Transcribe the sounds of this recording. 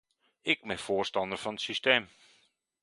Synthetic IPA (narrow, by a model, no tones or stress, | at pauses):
ɪk̚bɪnfoːrstɑndərfɔnətsysteːm